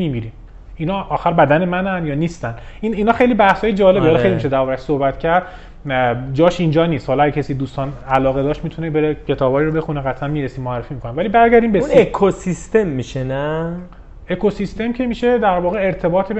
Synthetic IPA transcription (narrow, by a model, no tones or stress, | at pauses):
iːmiːɾiːm | inɒːxæɾbæd̪æne̞mænænjɒːniːst̪æn | iniːnhɒːxejliːbæhsɒːjed͡ʒɒːle̞bihɒlːxejlimiʃed̪æɾɒɾæʃsohbæt̪cʰæɾd̪ | d͡ʒɒːʃind͡ʒɒːniːst̪hɒlɒæɡecʰesiːd̪uːst̪ɒːnælɒːɣe̞d̪ɒːʃt̪mit̪ʰunebe̞ɾecʰe̞t̪ʰɒːbɒːiɾobe̞xuneɣæt̪ʰæmmiːɾesiːmoærːefimikʰo̞nævælibæɾɡæɾd̪iːmbeuekʰosist̪emːiʃenæ | ekʰosist̪e̞mcʰemiːʃed̪æɾvɒːɣeeɾt̪ʰe̞bɒːt̪ʰe